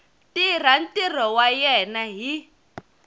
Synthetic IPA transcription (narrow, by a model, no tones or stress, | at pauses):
tir̤an̩tʼir̤ɔwajɛnaɦi